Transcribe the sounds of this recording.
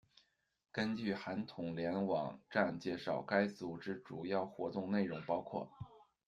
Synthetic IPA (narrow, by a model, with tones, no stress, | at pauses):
kə˥nt͡ɕy˥˩xa˧˥nt̪ʰʊ˨˩ŋljɛ˧˥nwɑ˨˩ŋʈ͡ʂa˥˩nt͡ɕjɛ˥˩ʂɑ˨˩ʊka˥ɪt͡su˨˩ʈ͡ʂɻ̩˥ʈ͡ʂu˨˩jɑ˥˩ʊxwɔ˧˥t̪ʊ˥˧ŋne˥˩ɪɻʊ˧˥ŋpɑ˥ʊkʰwɔ̰˥˩